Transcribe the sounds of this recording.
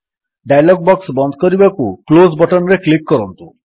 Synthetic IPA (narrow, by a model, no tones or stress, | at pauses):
ɖajlɔɡ̚bɔksbɔnd̪ʱkɔɾibakuklozbɔʈɔnɾeklikːɔɾɔnt̪u